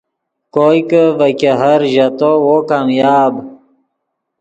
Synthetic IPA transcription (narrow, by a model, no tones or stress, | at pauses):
kojkəvəkeɦɐɾʑɐt̪owokaːmjaːb